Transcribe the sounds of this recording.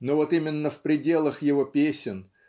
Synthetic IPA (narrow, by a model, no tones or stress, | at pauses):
novo̞t̪imʲɪnːəfpɾʲɪdʲe̞lˠəxjɪvo̞pʲesʲɪn